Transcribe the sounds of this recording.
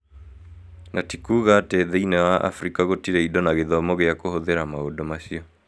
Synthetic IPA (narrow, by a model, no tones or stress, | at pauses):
nʔatikuːɣatɛðɛinɛwaʔa̰fɾikaɣotiɾeidɔnaɣeðɔmɔɣeakohoðeɾamaodɔmaɕiɔ